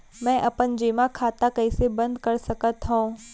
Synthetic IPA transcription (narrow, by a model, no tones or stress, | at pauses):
mɛ̃ːʔɐpənd͡ʒeːmakʰaːt̪akɐisebɐ̃nd̪kɐɾsɐkət̪ɦõː